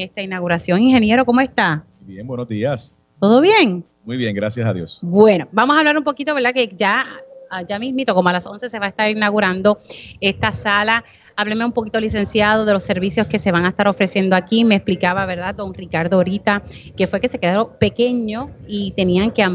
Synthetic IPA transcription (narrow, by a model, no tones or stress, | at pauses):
est̪ainaɣuɾasjo̞ŋiŋhe̞nje̞ɾo̞ko̞moe̞st̪a | bjeŋbwenozðias | t̪o̞ðo̞βje̞ŋ | mujβjeŋɡɾasjasaðjo̰sbwe̞no̞bamosaβlaɾumpo̞kit̪oe̞ɾðake̞d͡ʒaad͡ʒamimit̪o̞ko̞moalaso̞nse̞se̞βaest̪aɾinaɣuɾand̪o̞e̞st̪asala | aβlemeumpo̞kit̪olise̞nsjaðo̞ðe̞lo̞sːe̞ɾβisjo̞ske̞se̞βaŋaest̪aɾo̞fɾe̞sje̞nd̪oakimeːsplikaβaβe̞ɾðad̪o̞ŋrikaɾðoːɾit̪ake̞fwe̞ke̞se̞ke̞ðaɾope̞ke̞ɲo̞it̪e̞niaŋke̞am